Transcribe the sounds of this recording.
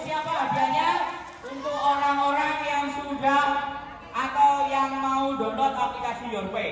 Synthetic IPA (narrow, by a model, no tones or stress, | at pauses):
siapada̤ɲa | unt̪uoɾaŋoɾaŋjaŋsuɾa | ʔat̪awjaŋmaud̪ɔ̤nd̪ɔt̪̚aplikasijɔrwe